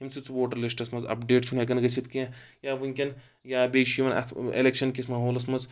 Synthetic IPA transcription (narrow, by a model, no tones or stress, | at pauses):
ɦimsʰut͡sʋoːʈɐɾlisʈɐsmɐzɐ̰pɖeːʈt͡ʃʰunɦek̬ɐnɡɐt͡ʃʰit̪kĩjaːʋɨŋʲkʲɐn | jaːbeːʃiʋɐnɐ̰t̪ʰḛlekʃɐnkʲismaːɦoːlɐs̬mɐz